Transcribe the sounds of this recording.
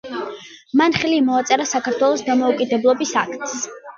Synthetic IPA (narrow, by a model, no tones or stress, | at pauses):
manχɛlimɔat̪sʼɛɾasakaɾt̪ʰwɛlˠɔsd̪amɔukʼid̪ɛblˠɔbisakt̪ʼs